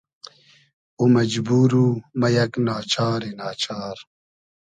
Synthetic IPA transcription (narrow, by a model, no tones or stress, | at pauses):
umɐd͡ʑbuːɾumɐjɐknaːt͡ɕaːɾinaːt͡ɕaːɾ